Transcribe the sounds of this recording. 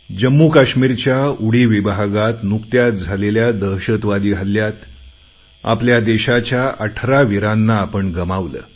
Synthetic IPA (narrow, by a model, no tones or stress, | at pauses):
d͡ʑəmːukaɕmiɾt͡ɕjauɽiːʋibɦaɡat̪nukt̪jat̪̚d͡zʱaleljad̪əɦɕət̪ʋad̪iːɦəljat̪ | a̰pljad̪eɕat͡ɕjaʔəʈʰɾaʋiɾanːaːpəɳɡəmaʋlə̰ː